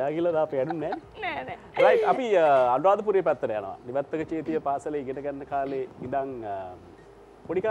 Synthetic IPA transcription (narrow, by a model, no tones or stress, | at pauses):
aːɡilːɐd̪aːpɐɽunːen | ɾajʈɐpiɐnɾaːd̪ɐp̬uɾijɐpɛt̪ːɐɾeɐ̰nɐ̰ʋa̰niʋɐt̪ːɐkɐt͡ʃeːt̪ijɐpaːsɐleɡinɐɡɐnːɐkʰaːleind̪aŋ | poɽikaː